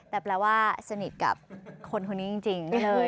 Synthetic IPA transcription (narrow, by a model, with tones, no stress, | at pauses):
t̪ɛː˨˩pɾɛː˧waː˥˩sa˧ni˨˩t̪̚ka̰˨˩p̚kʰo˧nkʰu˧nːiː˦˥t͡ɕi˧ŋt͡ɕi˧ŋlɤː˧